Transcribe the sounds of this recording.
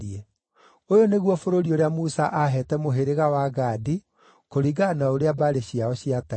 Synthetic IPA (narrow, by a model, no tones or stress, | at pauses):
iɛ | ojoneɣwɔfoɾoɾioɾeamusaʔaɦɛtɛmoɦeɾeɣawaɡaːdi | koɾiɡanaoɾeabaɾeɕiaɔɕiata